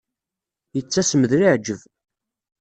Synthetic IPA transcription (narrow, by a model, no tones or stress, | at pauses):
jət͡sːæsəməðɾiʕd͡ʒəv